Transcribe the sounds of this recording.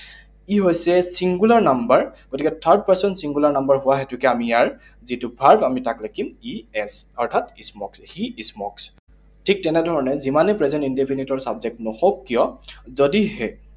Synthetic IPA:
iɦojsɛsiŋɡulaɹnambaɹɡ̥otikɛtʰaɹd̚paɹsɔnsiŋɡulaɹnambaɹɦʊwaɦɛtʊkɛamijaɹ | zitʊbʱaɹbamitaklakimiɛsɔɹtʰatismɔksxiismɔks | tʰik̚tɛnɛdʱɔɹɔnɛzimanɛpɹɛzɛntindepʰinitɔɹsabzɛk̚tnɔxɔkːijɔzɔdihɛ

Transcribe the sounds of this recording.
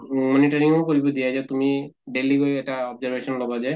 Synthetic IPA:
mɔniʈɔɹiŋɔkoɦibɔdijazɛt̪umiɖeliɡojɛʈaɔbzaɹbesɔnlɔbazɛ

